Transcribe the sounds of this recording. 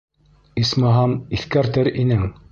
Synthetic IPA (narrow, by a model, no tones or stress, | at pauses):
ismɤɦɑmiθkæɾt̪ɘɾinɘŋ